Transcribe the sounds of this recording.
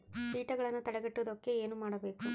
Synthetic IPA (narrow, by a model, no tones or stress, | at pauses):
siːʈɐɡɐɭɐnːut̪ɐɽɛɡɐʈːuʋd̪okːe̞eːnumaːɽɐbe̞ːku